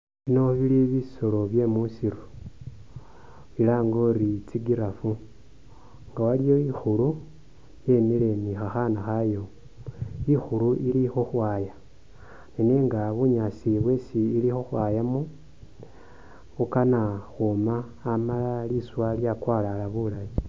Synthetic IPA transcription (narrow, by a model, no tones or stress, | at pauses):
βino̞βiliβiso̞lo̞βje̞musiɾu | βilaːŋɡo̞ɾit͡siɡiɾafu | ŋɡawalijo̞ixulu | je̞mile̞nixaxanaxajo̞ | ixuluʔilixoxwaja | nineŋɡaβuɲasiβwe̞siːlixoxwaːjamu | βukanaxomaːmalaliswaljakwalalaβulaβi